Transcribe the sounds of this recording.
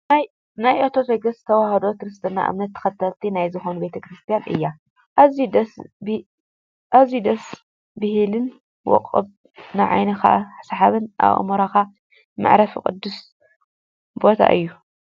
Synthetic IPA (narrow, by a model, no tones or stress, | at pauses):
naj | najʔɐt̪ʰofeɡɐst̪ʰɐwahɐd̪ot̪ɨɾɨst̪ʰɨnːa̰ʔɨ̰mnɐt̪ʰːɐ̥xɐt̪ʰːɐlt̪ʰinajzɨxonube̞t̪ʰɐkɾɨst̪ʰijanʔɨ̰jːa | ʔazid̪ɐsb | ʔazjud̪ɐs | bɨhlɨn | wɔ̰qʼːɨ̰b | naʕa̰jnɐxa̰ħsħaβɨnʔa̰β̰moɾaka | ma̰ʕɾɐfikʼɨ̰d̪ːus | bo̞t̪ʰa̰ʔɨ̰jːu